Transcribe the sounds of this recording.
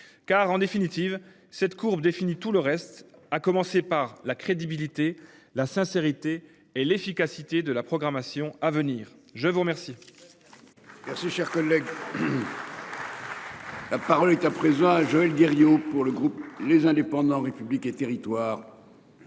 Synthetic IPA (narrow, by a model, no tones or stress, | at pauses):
kaʁɑ̃d̪efinit̪iv | sɛt̪kʰuʁbd̪efinit̪uləʁɛst̪akɔmɑ̃sepaʁlakχed̪ibilit̪elasɛ̃seʁit̪eː | lefikasit̪ed̪əlapχɔɡʁamasjɔ̃avəniːʁ | ʒəvuʁəmɛʁsi | mɛʁsiʃɛʁkɔlːɛɡ | lapaʁɔlɛt̪apχezɑ̃aʒɔɛlɡeʁjopuʁləɡʁuplezɛ̃d̪epɑ̃d̪ɑ̃ʁepybliket̪eʁit̪waːʁ